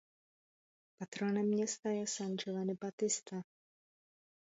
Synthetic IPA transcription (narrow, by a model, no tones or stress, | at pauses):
pat̪ɾonɛmːɲɛst̪ajɛsand͡ʒovanɪbat̪ɪst̪a